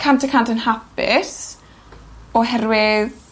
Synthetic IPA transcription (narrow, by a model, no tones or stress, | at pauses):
kʰantʰəkʰantənhapɪ̰s | ɔɦɛɾwɪð